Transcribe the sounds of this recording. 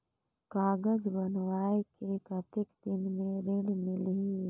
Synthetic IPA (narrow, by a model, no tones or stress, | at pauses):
kaːɡəd͡ʒbənwaːekekət̪ɪkd̪ɪnmẽɾeːɽmɪli